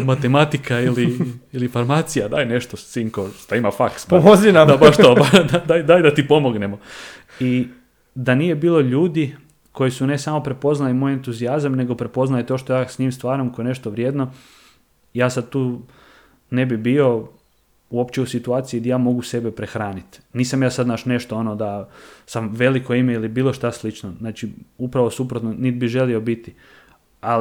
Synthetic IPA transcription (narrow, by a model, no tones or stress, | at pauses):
mat̪emat̪ikailiilifaɾmaːt̪sijad̪a̰ːjne̞ʃt̪ost̪iːŋkost̪aimafaksomozinad̪abaʃt̪obad̪ad̪ajd̪ajd̪at̪ipo̞mo̞ɡnemo | i | d̪anije̞biːlˠo̞ʎuːd̪i | ko̞jisune̞samo̞pɾe̞po̞znalimoːje̞nt̪uziazamne̞ɡo̞pɾe̞po̞znalit̪o̞ːʃt̪o̞jaːsɲiːmst̪ʋaːɾamkoene̞ʃt̪oʋɾʲjeːd̪no̞ | jaːsad̪̚t̪uː | ne̞bibio̞ | uo̞pt͡ʃeusit̪uaːt̪siid̪ajaːmo̞ɡuse̞bepɾexɾaːnit̪niːsamjaːsad̪naʃne̞ʃt̪oonod̪asamʋe̞likoimeilibiːlˠo̞ʃt̪aslit͡ʃnoznaːt͡ʃiupɾaʋosupɾot̪nonid̪̚biʒe̞lio̞bit̪i | a